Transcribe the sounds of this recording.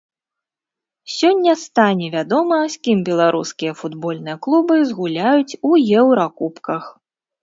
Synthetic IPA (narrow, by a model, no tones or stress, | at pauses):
sʲɔnʲːɐst̪anʲɛvʲad̪ɔmɐsʲkʲimbʲɛlˠaɾʔuskʲijɐfud̪bɔlʲnɨjɐklˠubɨzɣulʲajut͡sʲujɛwɾakupkɐx